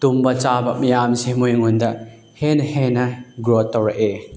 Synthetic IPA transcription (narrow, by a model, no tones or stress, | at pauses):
t̪umbɐt͡ʃabɐmijamsemujŋundɐ | henhenɐɡɾɔt̪ːɐwɾaʔe